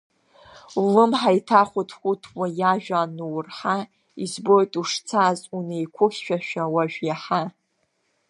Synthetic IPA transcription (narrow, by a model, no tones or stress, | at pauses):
ulɨmħajtʰaχʷutʰχʷutʰwajaʒᶣanuwrħa | izbo̞jtʼuʂt͡sʰazunejkʷʰʊχʲʃᶣaʃᶣawaʒᶣjaħa